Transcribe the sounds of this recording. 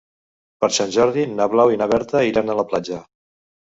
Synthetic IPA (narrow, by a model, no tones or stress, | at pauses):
pəɾsanʲʒɔɾðinaβlawinaβɛɾt̪əiɾanələplad͡ʒə